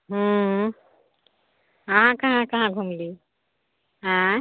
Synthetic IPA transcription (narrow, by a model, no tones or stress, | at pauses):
ɦu | ãɦãkaɦãkaɦãɡʱumli | ɦã